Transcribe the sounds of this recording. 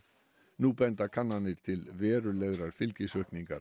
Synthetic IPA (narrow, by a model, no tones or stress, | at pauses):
nupɛnt̪akʰanːanɪɾ̥t̪ʰɪlvɛːɾʏleðɾaɾ̥fɪlcɪsœɥhkniŋka̰ɾ